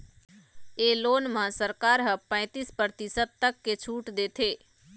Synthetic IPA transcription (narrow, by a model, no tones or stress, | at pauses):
eːloːnmãsəɾkaːɾɦəpə̃ɪ̃t̪iːspɾəɾt̪isəd̪̚t̪ɐkːet͡ʃʰuːʈd̪eːt̪ʰeː